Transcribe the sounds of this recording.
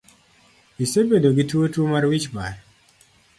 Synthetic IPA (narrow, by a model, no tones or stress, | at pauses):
isebedoɡitwotwomaɾwit͡ʃbaɾ